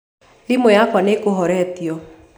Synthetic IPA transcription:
limɔjakwanekoɦɔɾɛt̪jɔ

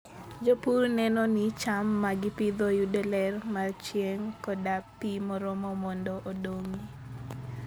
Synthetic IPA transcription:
d͡ʒopuɾnɛnɔnit͡ʃamːaɡɪpid̪ɔjudɛlɛrmart͡ʃjeŋkɔdaptimɔɾɔmɔmɔndɔʔodoŋi

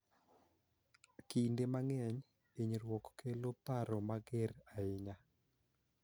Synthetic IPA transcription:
kindemaŋɛɲ | eɲɾwɔkkelopaɾɔmaɡɪɾaɪɲa

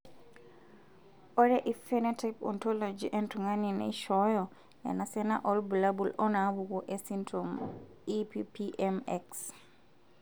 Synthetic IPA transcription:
ʔɔɾɛʔifɛnɛtapɔ̰ntɔlod͡ʒiʔɛntuŋaninɛ̰ʃɔjɔ | ɛ̰nasɛna̰ʔɔlbulabulɔnaβuɡɔʔɛsintɾom | ipipiʔɛmɛks

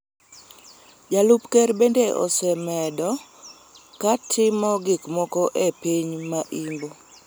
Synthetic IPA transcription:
d͡ʒalupkɛɾbendeʔɔ̰sɛmɛdɔ | katʰɪmɔɡikmɔkɔʔepiɲmaʔimbo

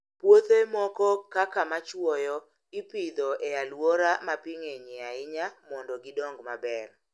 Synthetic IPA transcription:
pwot̪emɔkɔkakamat͡ʃwɔjɔ | ipid̪ɔealwɔɾamapiŋeɲɪaɪɲamɔndɔɡɪdoŋɡmabɛr

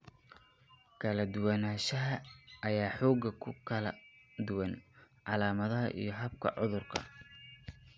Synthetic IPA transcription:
kʰɐlɐd̪ʊwɐnaːʃɐɦɐːjaːħɔːɡɐkʰʊkʰɐlɐd̪ʊwɑnʕɑlaːmɐðɐɦɐ̰ʔḭjɞɦɐbkʰɐ̰ʕʊðʊrkʰɐ̰

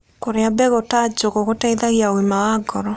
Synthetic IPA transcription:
koɾeabɛɣotad͡ʒoɣoɣotɛiðaɣiaoimawaɡɔɾɔ

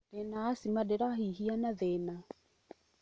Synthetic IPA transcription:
ɛnaːsimadeɾaɦiɦianaðɛna

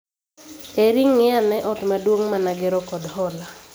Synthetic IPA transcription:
eɾiŋːɪanɛʔɔtmadwoŋmanaɡɛɾɔkɔdhɔla

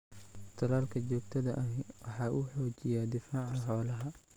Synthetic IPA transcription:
t̪ʰɐlaːlkʰɐt͡ʃɔːɡ̚t̪ʰɐðɐʔɐɦwɑħɑːʔuːħɔːt͡ʃɪjaːd̪ɪfaːʕɐɦɔːlɐɦɐ

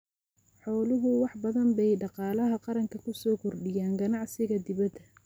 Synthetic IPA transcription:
ħɔːlʊɦʊwɑħbɐðɐmbɛjɖɑqɑːlɐɦɐqɑɾɐŋkʰɐkʰʊsɔːkʰʊrɖɪjaːŋɡɐnɑʕsɪɣɐd̪ɪβɐd̪ɐ

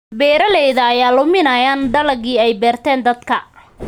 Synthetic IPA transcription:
bɛːɾɐlɛjðɐːjaːlʊmɪnɐjaːnɖɐlɐɣiːɛjbɛːrt̪ʰɛːnd̪ɐd̪kʰɐ

